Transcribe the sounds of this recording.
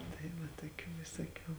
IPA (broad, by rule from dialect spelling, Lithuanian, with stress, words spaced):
tɐɪ ˈʋɐ tuɔˈkʲuː ʋʲɪsuɔˈkʲuː